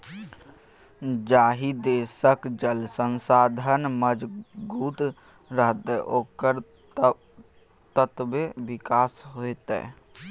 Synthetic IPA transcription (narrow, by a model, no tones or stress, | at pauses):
d͡ʒaːɦid̪esəkd͡ʒəlsənsaːd̪ʱənməd͡ʒɡuːt̪ | ɾəɦt̪ɛʔokəɾ | t̪ət̪beʋikaːsɦojt̪ɛ̰